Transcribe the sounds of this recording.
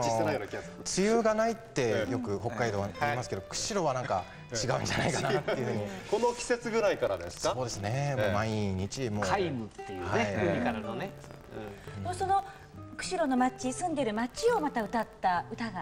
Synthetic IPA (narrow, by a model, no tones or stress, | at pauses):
t͡sɨjɯːɡanait̪ːe̞jokɯ̟ho̞kːaid̪oːaɾimasɨ̥ke̞d̪okɯ̟̥ɕiɾo̞βanãŋka | t͡ɕiɡaɯ̟̃ɲd͡ʑa̰na̰ikanat̪eɯ̟hɯ̟ɲiko̞nokʲi̥se̞t͡sɨɡɯ̟ɾaikaɾad̪esɨ̥skao̞ːd̪e̞sɨne̞momaiɲ̟it͡ɕimokaimɯ̟t̪ːejɯhaeiɯikaɾnonẽ | moso̞no̞ | kɯ̟̥ɕiɾo̞no̞mat͡ɕisɨ̃nd̪e̞ɾɯ̟mat͡ɕio̞mat̪aɯ̟t̪at̪ːaɯ̟t̪aɡa